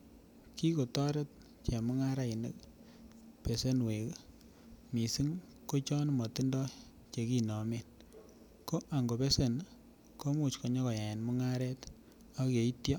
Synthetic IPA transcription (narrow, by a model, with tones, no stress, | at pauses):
ki˦ko˨tɔ˦ɾe˦t̚ | t͡ʃɛ˨mʊ˦ŋa˦ɾa˦i˨nḛ˦k | pe˨se˦nwe˨k | mi˨si˦ŋ | ko˦t͡ʃɔ˦nmɔ˨ti˦ndɔ˦ | t͡ʃe˨ki˦nɔ˨me˦n | ko˦ʔa˨ŋɡo˨pe˦se˦n | ko˦mu˦t͡ʃkɔ˨ɲɔ˦kɔ˨ja˨e˨nmʊ˦ŋa˦ɾɛ˦t | a˦ke˨i˦tjɔ˦